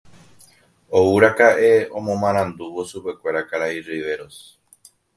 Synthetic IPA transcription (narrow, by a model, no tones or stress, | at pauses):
ouɾakaʔe̞õmõmãɾ̃ãnd̪uʋo̞supe̞kʷe̞ɾakaɾairiʋe̞ɾo̞s